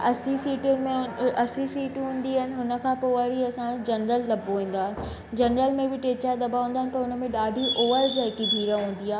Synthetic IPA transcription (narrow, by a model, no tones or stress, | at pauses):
ɐsisiːʈʊnmẽɐsisiːʈɦũːnd̪iaɦɪnɪ̆ɦʊnə̆kʰãːpoaɽiɐsãd͡ʑɐnɾəllɐboɦĩːn̆d̪aːɦɪnɪ̆ | d͡ʑɐnɾəlmẽbɪʈeːt͡ɕad̪ɐbaɦũːnd̪aːɦɪnɪ̆pɐɾɦʊnə̆mẽɗaːɖʱiʔoːʋəɾd͡ʑaɦɪkibʱiːɾəɦũːn̆d̪ijaː